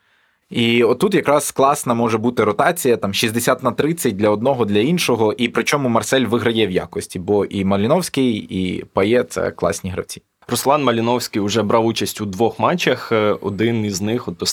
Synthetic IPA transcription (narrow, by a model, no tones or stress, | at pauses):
iɔtt̪ːut̪jɐkɾɑsklˠɑsnɐmɔʒɛbut̪ɪɾɔt̪ɑt͡sʲijɐt̪ɑmʃizʲd̪esʲat̪nɐt̪ɾɪt͡sʲːɐt̚ʲd̪lʲɐɔd̪̚nɔɦɔd̪lʲɐinʃɔɦɔʔipɾɪt͡ʃɔmʊmɐrsɛlʲʋɪɦɾɐjɛwja̰kɔsʲtʲibɔʔimɐlʲɪnɔwsʲkɪjḭpɐjɛt̪sɛ̰klˠɑ̰sʲnʲiɦɾɐ̰wt͡sʲi | rɔslˠɑnmɐlʲɪnɔwsʲkɪjʊʒɛbɾɑwut͡ʃɐsʲtʲud̪ʋɔxmɑt͡ʃʲːɐxɔ̰d̪ɪniznɪxɔt̪ːɔ